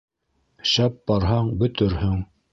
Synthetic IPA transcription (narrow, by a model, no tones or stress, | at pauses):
ɕɑp̚bɑɾɦɑɴbɵ̆t̪ɵɾhɵŋ